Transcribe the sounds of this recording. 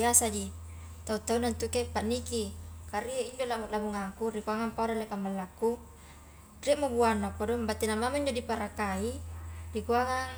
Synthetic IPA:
asad͡ʒi | t̪aut̪aunant̪ukepanːikikaɾieiɲd͡ʒolamalabuŋakurikuaŋaŋpaɾalekambalːakːu | reʔmobuanakːadɔmbat̪ːinamamaiɲd͡ʒodipaɾakaidikuaŋaŋ

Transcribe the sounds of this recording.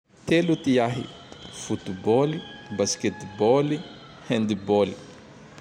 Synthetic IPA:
t̪elut̪iaɦḭ | fut̪bɔlibasket̪bɔli | hɛ̃nd̪ibɔli̥

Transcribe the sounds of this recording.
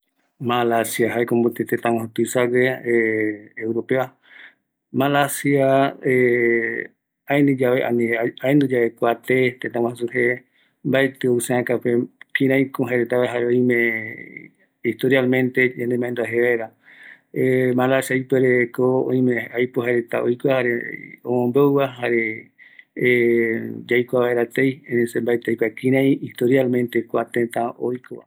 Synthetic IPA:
malasjaɦaekombot̪et̪et̪ãwãɦot̪ɨsaɡe | ewɾopea | malasjae | aẽnd̪ɨd͡ʒaβeʔa̰niaend̪ud͡ʒaʋekʷat̪et̪et̪ãw̃ãhs̬uhe | mbaet̪eoseãkapekĩɾãj̃kõɦaɾet̪aβeɦaɾeõĩmẽ | iht̪oɾjalmẽnt̪ed͡ʒãnd̪emãẽnd̪uaɦeβaeɾa | emãlaʃajpeɾekoõ̰j̃mẽajpoɦaɾet̪a̰ojkoahaɾeõmõmbewβaɦaɾe | d͡ʒajkʷaβaeɾat̪ejeesembaet̪ejkʷakĩɾ̃ãj̃it̪oɾjalmẽnt̪ekʷat̪ẽt̪ãojkoa̰

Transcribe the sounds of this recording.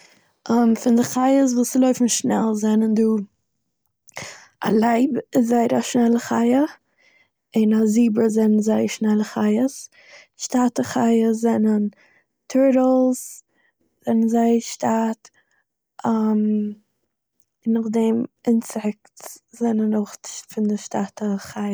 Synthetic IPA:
ʔamfɪndɪχaɪəs̬vuːsɪlˠoʏfn̩ʃnɛlˠzɛnənduː | a̰lˠaɪbɪszaɪəɾaʃnɛlˠəχaɪə | ɪnaziːbəzɛnənzaɪəɾʃnɛlˠəχaɪəs | ʃtatəχaɪəzɛnən | tʰɪɾlˠs | z̥ɛnənzaɪəʃtat | am | ɪnːaχdɛmɪnsɛk̚tzɛnənoχfɪndɪʃtatəχaɪə

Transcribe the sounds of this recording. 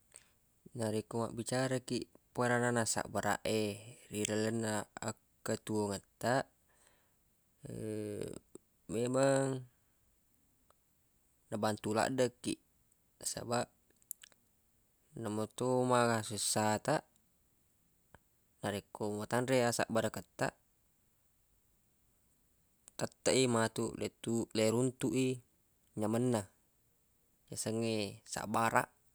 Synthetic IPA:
naɾikːoma̰ʔbit͡ʃaɾakiʔpoeɾananasa̰ʔbəɾa̰ʔeriɾələnːa̰ːkː | ət̪uoŋət̪ːaʔ | memaŋ | nabant̪ula̰ʔdəkːḭʔ | sa̰baʔ | namot̪omaɡasusːat̪aʔ | naɾekːomat̪anɾeasa̰ʔbaɾakət̪ːa̰ʔ | kət̪ːaʔimat̪uʔlet̪uleɾunt̪uʔi | ɲamənːa | jasəŋːesa̰ʔbaɾa̰ʔ

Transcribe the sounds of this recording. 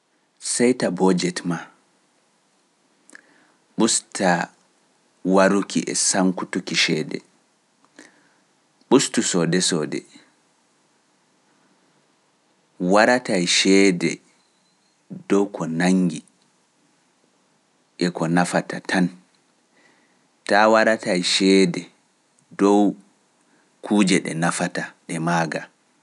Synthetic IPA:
sɛjtabɔd͡ʒɛtma | ɓustʰa | waɾukʰiʔɛ̰saŋkutukiʃɛːdɛ̰ | ɓustusɔdɛsɔdɛ̰ | waɾatajʃɛːdɛ̰ | dɔwkʰɔnaŋɡi | ʔɛkɔnafatʰatʰan | tawaɾatajʃɛːdɛ | dɔw | kʰuːd͡ʒɛɗɛ̰nafataɗɛmaːɡa

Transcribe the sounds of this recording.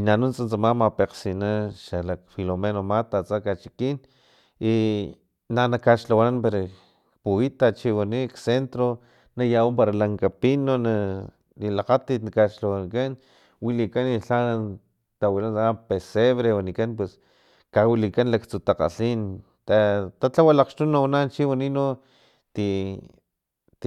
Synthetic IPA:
inanunt͡sant͡samamapeqsinaʃalakfilomenomat̪at͡sakat͡ʃi̥kin | i | nanakaʃlawananpeɾo | kpuit̪at͡ʃiwaniksent̪ɾo | najawompaɾalaŋkapinona | nilaqat̪it̪nakaʃlawanikan | wilikaniɬan | t̪awilansapeseβɾewanikanpwes | kawilikanlakt͡sut̪aqa̰ɬin | t̪at̪at͡ɬawalaqʃt̪unawanant͡ʃiwanino | t̪i

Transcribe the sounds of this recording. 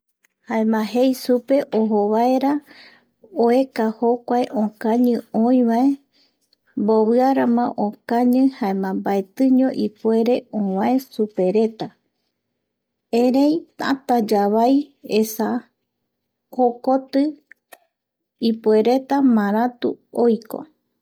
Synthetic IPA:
haẽmãɦejsupe̞ʔoɦoβae̞ɾa | oekahokʷaeʔõkãɲɨ̃õĩβae̞ | mboβɨaɾamã̰ʔõkãɲɨ̃haemãmbaet̪ɨɲõ̞ʔipwe̞ɾe̞õwãesupe̞ɾe̞t̪a | eɾejt̪a̰t̪ad͡ʒaβajesa | hokot̪ɨ | ipue̞ɾe̞t̪amãɾ̃at̪uojko̰

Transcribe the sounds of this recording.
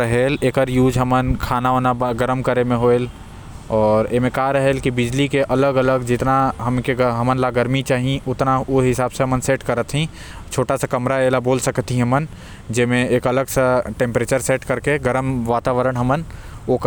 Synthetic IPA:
əɦeːleːkəɾjuːd͡ʒɦɐmənkʰaːnaɦoːnabɡəɾəmkəɾemẽɦoːel | ɔːɾemẽkaɾəɦelkibɪd͡ʒlikeʔɐləɡələɡd͡ʒɪt̪naɦɐmkeɡɦɐmənlaɡəɾmit͡ʃaːɦĩʊt̪naʊɦɪsaːbseɦɐmənseːʈkəɾət̪ʰɦĩ | t͡ʃʰoːʈasekɐmɾaeːlaboːlsəkt̪iɦɦɐmən | d͡ʒɪmẽeːkɐləɡseʈẽːmpɾeːt͡ʃəɾseːʈkɐɾkeɡəɾəmʋaːt̪aːʋəɾəɽ̃ɦəmən | ok

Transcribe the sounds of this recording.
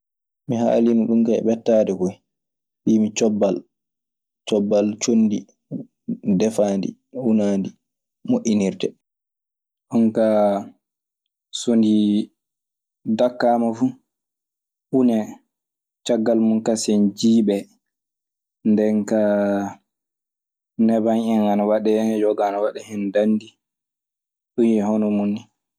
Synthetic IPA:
miɦa̰ːlinuɗumkaɛ̰ɓɛtːadɛkuj | ɓimit͡ʃɔbːal | t͡ʃɔbːalt͡ʃonːdi | dɛfaːndḭ | unaːndi | moʔiniɾtɛ | ʔɔnka | sondi | dakːamafu | ʔunɛ | t͡ʃaɡːalmunkasɛnd͡ʒiːɓɛ | ndɛŋka | nɛbanɛnanawaɗɛd͡ʒɔɡanɔwaɗɛhɛndanːdi | ɗunjɛɦɔnɔmunːi

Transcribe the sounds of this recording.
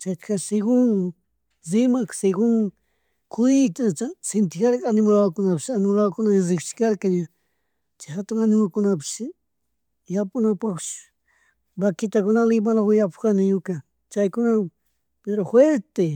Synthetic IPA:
t͡ʃajt̪kʰasɪɡʊŋ | zɪmaksɪɡʊŋ | kʰʊjt̪at͡ʃasɪnt̪ɪkaɾkanɪmalawkʊnapɪsanɪmlawkʊnazɪkt͡ʃɪ̥kaɾkaɲa | t͡ʃahat̪ʊŋanɪmakʊnap̬ɪ̥s | japʊnapaχt͡ʃʊ̥ | bakɪt̪akʊnalɪmalawɪjapkanɪjʊka | t͡ʃajkʊna | peɾoxweɾt̪e

